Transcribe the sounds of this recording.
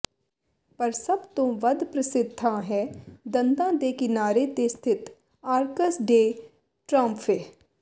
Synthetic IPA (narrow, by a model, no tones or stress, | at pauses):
pɐɾsɐbt̪ʊ̃ʋəd̪ʱpɾəsɪd̪ʱːãɦɛːd̪ɐ̃nd̪ãːd̪eːkɪnaːɾet̪est̪ʰɪt̪ | aːɾkəsɖeː | ʈɾãːmpʰeː